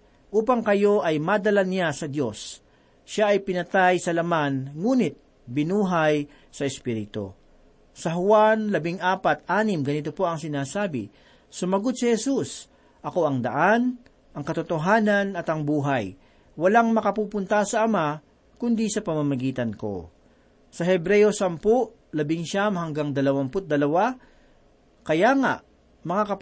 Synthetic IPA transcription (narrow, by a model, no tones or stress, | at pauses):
ʔuːpɐŋkɐjo̞ʔɐjmad̪ɐlanasɐd̪jo̞s | ʃaɐjpɪnɐt̪ajsɐlɐmanŋuːnɪt̪̚ | bɪnuːɦɐj | sɐɛspiɾɪt̪o̰ | sɐɦʊwanlɐbɪŋʔaːpɐt̪̚ʔaːnɪmɡɐnɪt̪o̞po̞ɐŋsɪnaːsaːbɪ̰ | sʊmɐɡod̪̚sɪhɛsus | ʔɐko̞ɐŋd̪ɐ̰ʔan | ʔɐŋkɐt̪ʊt̪o̞ɦaːnɐnɐt̪ɐŋbuːɦɐj | wɐlaŋmɐkɐpuːpʊnt̪ɐsɐʔɐma | kʊnd̪isɐpɐmɐmɐɡiːt̪ɐnko̞̰ | sɐhɛbɾɛjo̞sɐmpoʔ | lɐbɪŋʃamhɐŋɡaŋd̪ɐlɐwampʊt̪̚d̪ɐlɐwa | kɐjaŋa̰ʔ | mɐŋakɐp